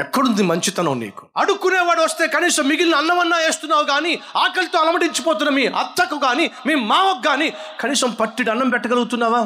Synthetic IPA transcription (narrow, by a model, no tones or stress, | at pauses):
ɛkːɐɽund̪imɐɲt͡ʃit̪ɐnɐmnḭːku̥ɐɽukːuneːʋaːɽʋɐst̪e̞ːkɐniːsɐmːiɡilnɐɐnːɐmɐnːaːe̞ːst̪unːaːʋuɡaːniaːkɐlit̪oːɐlɐmɐɽiɲt͡ʃipoːt̪̬unːɐmiːʔɐ̰t̪ːɐkːuɡaːnimiːmaːʋɐɡːaːnikɐniːsɐmpɐʈːiɽɐnːɐmpɛʈːɐɡɐlɐɡut̪unːaːʋaː